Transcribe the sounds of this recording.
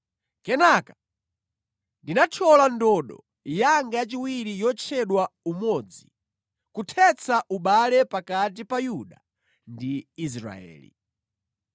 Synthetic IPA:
kɛnakḁ | ndinat͡ʃʰɔlandɔɗɔ̰ | jaŋɡajat͡ʃiwiɾijɔt͡ʃʰɛɗwaumɔd͡zi | kutʰɛt͡sʰaʔuɓalɛpakat̬ipajuɗa | ndiːs̬ɾa̰ɛ̰ːlḭ

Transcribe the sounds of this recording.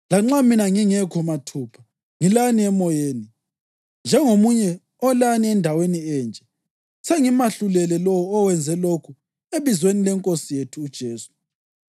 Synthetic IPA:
laŋ͡ǁaminaŋiŋɛkʰɔmatʰuːpʰa | ŋilaniɛmɔjeːni | nd͡ʒʱɛŋomuɲɛ | ɔlaniɛndʱaweniɛːnd͡ʒʼɛ | seŋimaɬulɛlɛlɔwɔːwɛnd͡zʱɛlokʰu | eβizwenilɛŋkʼosijetʰuːd̥ʒ̥ʱeːsu̥

